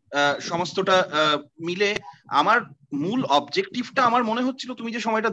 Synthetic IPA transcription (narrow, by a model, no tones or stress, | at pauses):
ʃɔmost̪oʈamilea̰maɾmulɔbd͡ʑek̚ʈibʈaamaɾmoneɦotːɕʰilot̪umid͡ʑeʃɔmɔeʈa